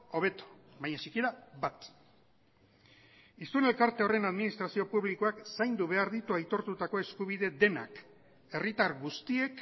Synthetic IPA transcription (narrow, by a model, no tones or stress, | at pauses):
oβ̞e̞t̪o̥ | βaɲat͡ʃikiɾabat̪ | ist̪une̞lkaɾt̪eo̞re̞naðminist̪ɾasio̞puβliko̞aksajnd̪uβ̞e̞aɾðit̪uajt̪o̞ɾt̪ut̪ako̞eskuβ̞iðe̞ðe̞na̰k | e̞rit̪aɾɣust̪ie̞k